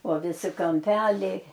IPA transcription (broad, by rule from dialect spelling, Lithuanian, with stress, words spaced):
oː ʋʲɪˈsʲɪ kɐmʲˈpʲæːlʲɛɪ